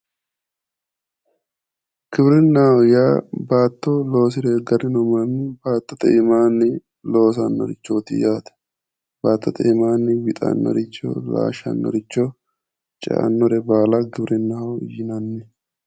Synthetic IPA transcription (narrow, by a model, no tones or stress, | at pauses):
ɡ̥ɪbɾɪnːaːwɔjaːbaːt̪ːolo̞ːsɪɾeːɡɐɾɪnɔmɐnːɪbaːt̪ːɔt̪ɛɪmaːnːɪ | lo̞ːsɐ̰nːɔ̰ɾɪt͡ʃːoːt̪ɪ̰jaːt̪ɐ̥ | b̥aːt̪ːɔt̪ɛɪmaːnːɪwɪt̪ʼɐ̰nːɔ̰ɾɪt͡ʃːo̰ːla̰ːʃɐ̰nːɔ̰ɾɪt͡ʃːo | t͡ʃʼɛ̰ʔɐ̰nːɔɾɛbaːlɐɡɪbɾɪnːaːwɔjɪnɐnːɛ